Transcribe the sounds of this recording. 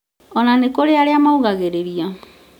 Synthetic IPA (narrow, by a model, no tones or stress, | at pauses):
ɔnanekoɾeaɾeamauɣaɣeɾeɾia